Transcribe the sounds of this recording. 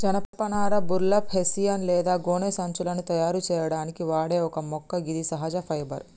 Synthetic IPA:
d͡ʒɐnɐpɐpɐnaːɾɐbuɾlɐphesijɐnlɛːd̪aːɡoːneːsɐɲt͡ʃulɐnut̪ɐjaːɾut͡ʃɛːjɐɽaːnikiʋaːɽe̞ːɔkɐmɔkːɐɡid̪isɐɦɐd͡ʒɐpʰɐjbɐɾ

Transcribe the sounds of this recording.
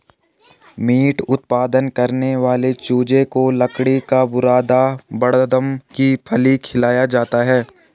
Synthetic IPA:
miːʈʊt̪̚paːd̪ənkɐɾneʋaːlet͡ʃuːd͡ʒekolɐkɽikabʊɾaːd̪abɐɽd̪əmkipʰɐlikʰɪlaːjad͡ʒaːt̪aɦɛː

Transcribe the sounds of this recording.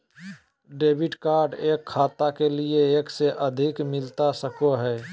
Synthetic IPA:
ɖeːbʱɪʈkaːɾɖeːkʰːaːt̪akelieeːkseʔəd̪ʱikmɪlt̪asəkoɦɛː

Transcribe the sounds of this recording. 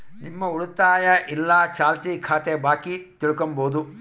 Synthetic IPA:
nimːɐuɽut̪aːjɐʔilːɐt͡ʃaːlt̪iːkʰaːt̪ebaːkit̪iɭukomboːd̪u

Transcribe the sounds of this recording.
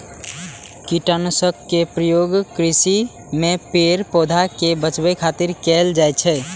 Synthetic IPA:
kiʈanosəkːepɾəjoɡkɾisi | mepeɾpod̪ʱakebət͡ʃbəjkʰat̪iɾkeld͡ʒajt͡ʃʰɛ

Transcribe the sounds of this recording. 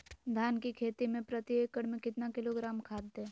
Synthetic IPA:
d̪ʱaːnkikʰeːt̪imẽpɾət̪ieːkəɽmẽkɪt̪nakɪloɡɾaːmkʰaːd̪ːẽː

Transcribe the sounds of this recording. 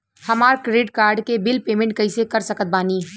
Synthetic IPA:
hɐmaːɾkɾeːɖkaːɾɖkebɪlpeːmẽɳʈ̚kɐĩsekɐɾsɐkət̪̚baːniː

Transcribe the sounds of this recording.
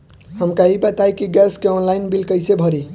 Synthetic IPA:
ɦəmkaɦibət̪ajkiɡɛskeɔnlajnbilkəjsebʱʌɾi

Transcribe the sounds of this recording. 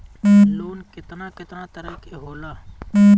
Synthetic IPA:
loːnkɪt̪naːkɪt̪naːt̪əɾəkeɦoːlaː

